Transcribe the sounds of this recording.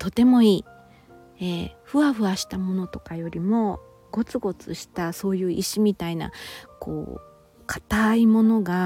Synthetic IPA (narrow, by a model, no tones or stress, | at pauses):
t̪o̞t̪e̞mo̞iː | eɸɯ̟aɸɯ̟aɕi̥t̪amo̞no̞t̪o̞̥kajo̞ɾʲimo̞ | ɡ̥o̞t͡sɨɡo̞t͡sɨɕi̥t̪aso̞ːjɯ̟ːʔiɕimʲit̪aina̰kʰo̞̰ː | kʰḁt̪aimo̞no̞ɡa